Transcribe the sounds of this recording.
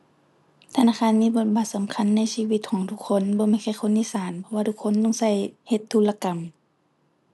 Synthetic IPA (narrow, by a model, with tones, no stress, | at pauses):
t̪ʰa˧naː˧˩kʰaː˧˥˨nmiː˧˥˨bo˧t̪̚ba˨˧˦t̪̚sa˨˦mkʰa˧˥˨nːa˧˥˨jsiː˧˨wi˧t̪̚kʰɔː˨˦ŋt̪ʰu˧kʰːo˧˥˨nbɔː˧˦ma˧˩jxʰa˧˩jxʰo˧˥nʔiː˧˥˨saː˨˦npʰɔ˧waː˧t̪ʰu˧˥kʰːo˧˥˨nlɔ˧˨ŋsa˧˩jhe˧˦t̪ʰːuː˧˩la˧ka˨m